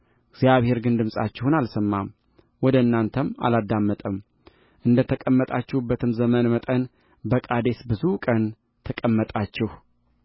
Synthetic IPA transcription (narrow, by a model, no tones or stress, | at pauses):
ɡzjaβhe̞ɾɡɨnd̪ɨmsʼa̰t͡ʃːɪhunalsəmːam | wɔd̪əɨnːant̪ʰəma̰lad̪ːamːət̪ʼəm | ʔɨnd̪ət̪ʰəkʼəmːət̪ʼat͡ʃːɪhubːət̪ʰɨmzəmənmət̪ʼən | bəkʼad̪e̞sbɨzukʼən | t̪ʰəkʼəmːət̪ʼat͡ʃːɪhu